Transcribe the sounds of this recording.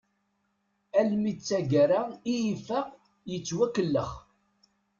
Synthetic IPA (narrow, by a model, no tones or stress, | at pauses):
ælmit͡sːæɡɾaijifaq | jət͡sːwækːəlːə̰χ